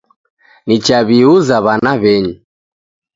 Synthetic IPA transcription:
nit͡ʃaβiuzaβanaβɛɲu

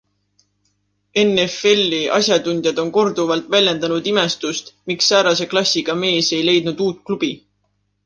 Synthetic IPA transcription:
e̞ne̞fe̞lʲːiʔɑ̰sʲjɑd̪unʲd̪̥jɑd̪̥o̞nko̞rd̪̥uvɑlt̪ˑvælʲjend̪ɑnud̪ime̞st̪ust̪miksːæːɾɑse̞klɑsʲːiɡ̥ɑme̞ːse̞jle̞jd̪̥nud̪̥uːt̪̚ˑklub̥i

